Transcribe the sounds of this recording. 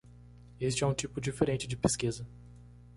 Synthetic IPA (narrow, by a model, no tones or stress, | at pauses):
est͡ʃɪɛũt͡ʃipʊd͡ʒifeɾẽnt͡ʃɪd͡ʒɪpeskizɐ